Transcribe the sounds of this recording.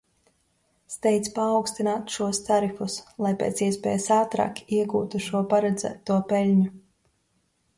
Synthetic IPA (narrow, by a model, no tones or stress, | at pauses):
st̪ɛjt̪spaːwkst̪inaːt̪ʃuɔst̪aɾifuslˠajpḛːt̪siɛsʲpʲɛ̰ːjsaːt̪ɾa̰ːkiɛɡuːt̪uʃuɔpaɾɛd̪zæ̰ːt̪uɔpɛlʲɲu